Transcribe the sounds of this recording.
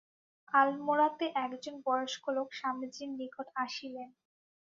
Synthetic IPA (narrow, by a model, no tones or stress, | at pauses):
almoɾat̪eʔɛkd͡ʑonbɔɾoʃkolokʃamid͡ʑinːikoʈaʃilen